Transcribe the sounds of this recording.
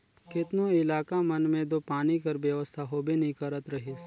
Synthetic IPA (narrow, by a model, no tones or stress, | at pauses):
kɪt̪nõɪlaːkamɐnmẽd̪opaːnikəɾʋjəʋəst̪ʰaɦoːbʱinĩkɐɾət̪ɾɐɦis